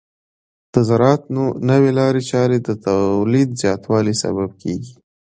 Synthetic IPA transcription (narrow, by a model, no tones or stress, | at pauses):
d̪̥əzaɾɑt̪nonəwelɑɾet͡ʃɑɾed̪ət̪awlid̪zjɑt̪wɑlisa̰bab̚kʰeɡi